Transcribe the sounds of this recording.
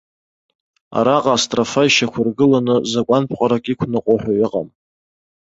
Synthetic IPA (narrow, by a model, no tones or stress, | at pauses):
a̰ɾaqʼaːstʼrafaiʃakʷʰʊrɡɨlanɨzakʷʼanpʰqʼaɾakʼikʷʰnɨqʷʼoħʷᶣajɪqʼa̰m